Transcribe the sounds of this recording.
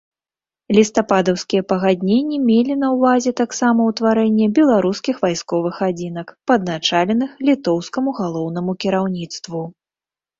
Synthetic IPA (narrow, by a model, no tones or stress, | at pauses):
lʲist̪apad̪ɐwskʲijɛpɐɣad̪ʲnʲenʲːɛmʲelʲin̪ɐwvazʲɛt̪aksamɐwt̪vaɾɛnʲːɛbʲɛlˠaɾuskʲixvajskɔvɨxad͡zʲinɐkpɐd̪nat͡ʂalʲɛnɨxlʲit̪ɔwskɐmuɣalˠɔwnɐmukʲiɾawnʲit̪st̪vu